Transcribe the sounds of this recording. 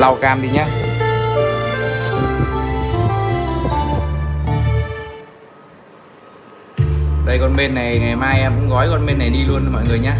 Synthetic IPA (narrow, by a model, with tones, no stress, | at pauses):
la˧wkaː˧mzi˨˩ɲaː˧ | ɗə˧jkɔ˧nɓe˧nːa˨˩jŋa˨˩jmaː˧jʔɛ˧mkʊ̰˧˥ŋ͡mɣɔ˨˦jkɔ˧nɓe˧nːa˨˩jɗi˧lu˧ənmɔ̰˧˨jŋɨ˨˩əjɲaː˧